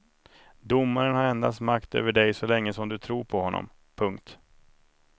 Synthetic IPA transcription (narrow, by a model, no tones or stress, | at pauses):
d̪ʊmːaɾənhaɾɛnd̪a̰st̪makt̪ø̰ːvəɖɛjsɔlɛŋːəsɔmd̪ɵt̪ʰɾuːɾpʰɔhɔnːɔ̰m | pʰɵŋkt̪